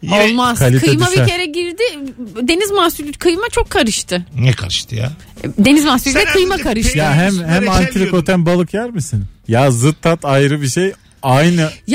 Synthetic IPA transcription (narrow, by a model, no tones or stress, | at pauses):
olˠmazkʰalʲitkʰɯejmabicʰe̞ɾɛɟiɾd̪ɪd̪e̞nizmasylʲykʰɯjmat͡ʃʰokʰːaɾɯʃt̪ʰɯnɛkʰaɾɯʃt̪ʰɯja̰ | d̪e̞nizmasylʲd̪ɛkʰɯjmakʰaɾɯʃʃt̪jaɦæmhæmant̪ʰiɾikot̪ʰænbalˠɯkjæɾmisinjazɯt̪ʰːat̪ʰajɾɯbiʃej | ajnɯj